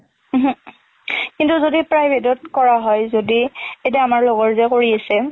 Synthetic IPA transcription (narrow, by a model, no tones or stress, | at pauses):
ɦ | kintuzodipɹajbʱedɔtkɔɹaɦɔjzodiet̬ɛamaɹloɡɔɹzɛkoɹiasɛ